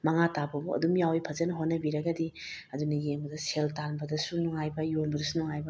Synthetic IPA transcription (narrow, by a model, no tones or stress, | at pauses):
mɐŋatabɐbuɐ̰dumjawipʰɐzɐnɦonːɐbiɾɐɡɐdi | ɐdunɐjeŋbɐdɐseltanbɐdɐsunuŋajbɐjonbɐdɐsunuŋajbɐ